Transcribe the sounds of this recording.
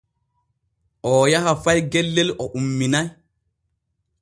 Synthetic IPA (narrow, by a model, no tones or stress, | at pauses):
ʔɔːjaɦafajɡɛlːɛlʔɔʔumːinaj